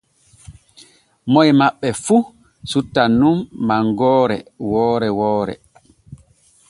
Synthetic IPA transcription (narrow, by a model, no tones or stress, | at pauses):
mɔjmaɓːɛfu | sutːanːumːaŋɡɔːɾɛ̰wɔːɾɛwɔːɾɛ̰